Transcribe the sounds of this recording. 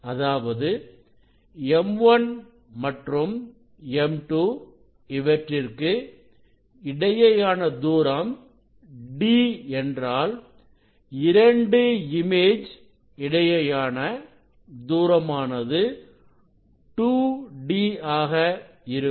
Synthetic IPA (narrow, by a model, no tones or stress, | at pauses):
ɐðaːʋɐðɯ | ɛmʋɐn | mɐʈrɯm | ɛmʈuː | ɪʋɐʈrɪrkɯ | ɪɽɐjɐjaːnɐd̪uːɾɐm | ɖiːɛndraːl | ɪɾɐɳɖɯɪmeːd͡ʒ | ɪɽɐjɐjaːnɐ | d̪uːɾɐmaːnɐðɯ | ʈuːɖiːaːɣɐ | ɪɾɯ